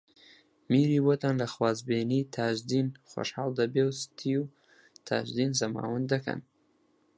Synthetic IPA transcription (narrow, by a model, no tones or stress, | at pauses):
miɾiwot̪anlaxwɑzbenit̪ʰɑʒd̪inxo̰ʃhɑld̪əbewst̪ʰiju | t̪ʰɑ̰ʒd̪inzamɑ̰wənd̪aka̰n